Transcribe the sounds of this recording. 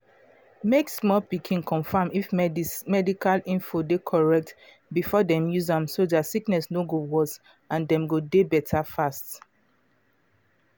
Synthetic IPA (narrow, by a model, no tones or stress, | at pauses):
meksmɔlpikʰĩnkʰɔ̃nfãmifmɛdikalĩnfodekʰɔɹɛk̚t | bifɔdɛ̃mjuzãmsodatsiknɛsnoɡowɔs | ãndɛ̃mɡodebɛtʰafast